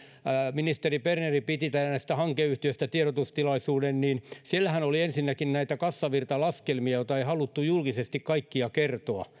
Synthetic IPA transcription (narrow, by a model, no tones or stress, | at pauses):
minist̪eriperneripit̪it̪æænæist̪æhɑŋkeyht̪iøst̪æt̪ieɾot̪ust̪ilɑisuːdenniːnsielːæhænoliensinːækinnæit̪ækɑsːɑʋirt̪ɑlɑskelmiɑjot̪ɑeihɑlut̪ːujulkisest̪ikkɑikːiɑkert̪oɑ